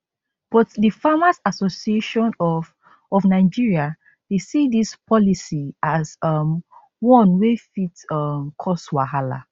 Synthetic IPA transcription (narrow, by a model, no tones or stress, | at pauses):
b̥ɔtdifamasasosieʃɔ̃nɔ | ɔfnaɪd͡ʒiɹia | desidispʰɔlisiazʌm | wɔ̃nwefitʌmkʰɔswaɦala̰